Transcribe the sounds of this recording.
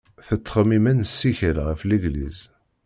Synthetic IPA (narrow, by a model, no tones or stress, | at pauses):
θət͡s̪ːχəmimænsːiçəlʁəfləɡlḭz